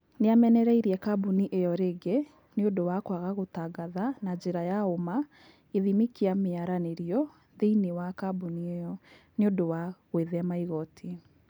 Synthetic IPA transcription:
neamɛnɛɾɛiɾiɛkabuniʔejɔɾeɡe | neodowakwaɣaɣotaɡaðanaɲd͡ʑeɾajaoma | eðimikiameaɾaneɾiɔ | ðeinewakabunieɔ | neondowaɣweðɛamaiɣɔtʰi

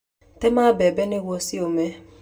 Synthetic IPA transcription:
temabebenewʷosiome

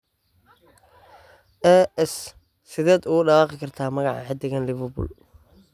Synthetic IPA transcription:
ʔɛɛs | sɪðɛːd̪ʊɖɑwɑːqɪkʰɐrt̪ʰaːmɐɣɑʕɑ̰ħɪd̪ɪɣɐnlɪβɐbʊ̰l

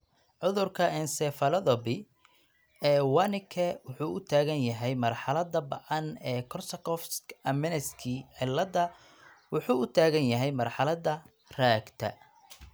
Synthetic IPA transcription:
ʕʊðʊrkʰɐɛnsɛːfɐlɐðɔbɪ | ɛːwɑnɪkʰɛwʊħuːʔʊt̪ʰaːɣɐnjɐɦɛjmɐrħɑlɐd̪ɐbɐʕɑnɛːkʰɔsɐkɔfskɐmɪnɛskʰiʕɪlːɐd̪ɐ | wʊħuːʊt̪ʰaːɣɐnjɐɦɛjmɐrħɑlɐd̪ɐ | r̥aːɡt̪ʰɐ̰

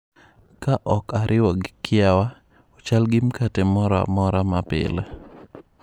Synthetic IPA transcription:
kaʔɔkaɾʔɪwɔɡɪkʰɪawa | ɔt͡ʃalɡɪmkatɛmɔɾɔa̰mɔɾamapɪ̰lɛ

